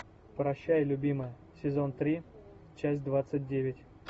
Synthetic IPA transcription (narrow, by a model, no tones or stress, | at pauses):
pɾɐɕːæjlʲʊbʲiməjə | sʲɪzo̞nt̪ɾʲi | t͡ɕæsʲtʲd̪vat̪sɨt̚ʲdʲevʲɪtʲ